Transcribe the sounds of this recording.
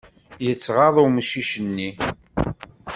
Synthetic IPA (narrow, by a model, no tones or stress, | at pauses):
jət͡sːʁɑðˤʊməʃiʃənːi